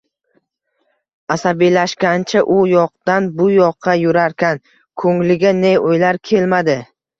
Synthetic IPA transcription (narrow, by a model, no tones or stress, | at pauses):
asabijlaʃkʲant͡ʃʰaʔʊjɒq̚d̪anbʊjɒqʰːɑjʊɾaɾkʲʰan | kʰɵŋlɪɡʲaneojlaɾkʲʰe̞lmad̪ɪ